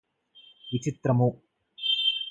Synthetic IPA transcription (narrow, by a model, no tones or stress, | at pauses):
ʋit͡ʃit̪ɾɐmu